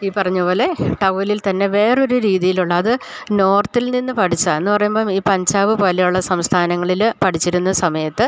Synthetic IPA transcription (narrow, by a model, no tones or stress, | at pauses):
iːpɐrɐɲːupo̞ːle̞ʈɐʋlilt̪ɐnːe̞ʋe̞ːro̞ɾuɾiːðijiluɭːɐːðɨno̞ːrt̪ilninːɨpɐʈʰit͡ɕːae̞nːupɐrɐjumboːiːpɐɲd͡ʑaːʋɨpoːlejuɭːɐsɐmst̪ʰaːnɐŋːɐɭilpɐʈʰit͡ɕːiɾunːɐsɐmɐjɐt̪ːɨ